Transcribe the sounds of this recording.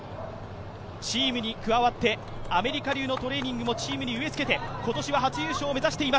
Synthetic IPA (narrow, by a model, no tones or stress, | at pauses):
t͡ɕiːmɯ̟ɲ̟ikɯ̟βaβat̪ːe̞ | ame̞ɾʲikaɾʲɨːno̞t̪o̞ɾe̞ːɲ̟ĩŋɡɯ̟mo̞t͡ɕiːmɯ̟ɲ̟iɯ̟βe̞t͡sɨ̥ke̞t̪e̞ko̞t̪o̞ɕiβaɦat͡sɨjɯːɕo̞ːme̞zaɕi̥t̪e̞ima